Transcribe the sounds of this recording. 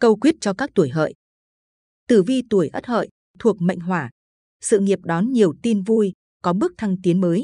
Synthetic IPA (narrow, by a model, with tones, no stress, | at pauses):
kə˧wkwi˦˥ət̚t͡ɕɔ˧kaː˦˥k̚t̪u˧˩əjɦə̰ː˧˨jʔ | t̪ɨ˧˩vi˧t̪u˧˩əjʔə˦˥t̚hə̰ː˧˨j | t̪ʰu˨˩ək̚mə̰˧˨jŋ̟ɦwaː˧˩ | sɨ̰˧˨ŋi˨˩əp̚ɗɔ˨˦nɲi˨˩əwt̪i˧nvu˧j | kɔ˨˦ɓɨ˦˥ək̚t̪ʰa˧ŋt̪i˨˦ənməː˨˦j